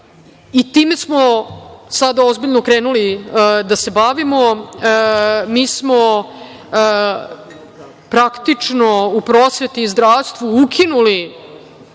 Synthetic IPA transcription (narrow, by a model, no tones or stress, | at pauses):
it̪iːme̞smosad̪aozbiʎnokɾeːnulid̪ase̞baʋimo̞ | miːsmo | pɾakt̪it͡ʂnoupɾoːsʋe̞t̪izd̪ɾaːʋst̪ʋuukʰinuli